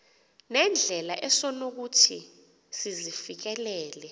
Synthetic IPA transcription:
nɛnd͡ɮʱɛlaʔɛsɔnok̬utʰi | sizifik̬ɛlɛːlɛ

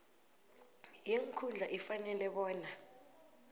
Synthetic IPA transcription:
jeŋkʰund͡ɮʱaʔifanɛlɛɓɔːna

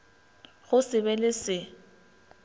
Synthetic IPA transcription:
ɣʊsɪbɛlɪsɪ

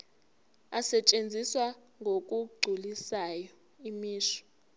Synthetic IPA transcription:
asɛt͡ʃʼend͡zʱiswa | ŋʱok̬ʼuɡ͡ǀʱulisajɔ | imiːʃɔ̥

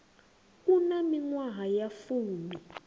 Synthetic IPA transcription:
kunamiŋwaɦajafuːmi

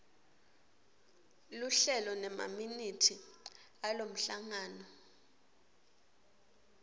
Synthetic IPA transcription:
luɬɛlɔnɛma̰minitʰi | alom̩ɬaŋaːnɔ

